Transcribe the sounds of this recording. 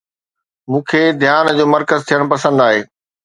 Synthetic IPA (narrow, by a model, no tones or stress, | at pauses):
mũːkʰeːd̪ʱijaːnd͡ʑoːmɐɾkəzt̪ʰijəɽ̃pɐsə̃nd̪aːɦeː